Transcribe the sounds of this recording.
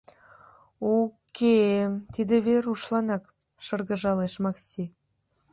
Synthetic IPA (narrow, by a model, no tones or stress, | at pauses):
okʰemt̪id̪ĕβeɾuʃlɑnɑk | ʃɤrɣə̆ʒɑleʃmɑksi